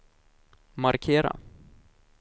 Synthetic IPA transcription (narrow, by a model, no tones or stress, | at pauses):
maɾkʰeːɾa̰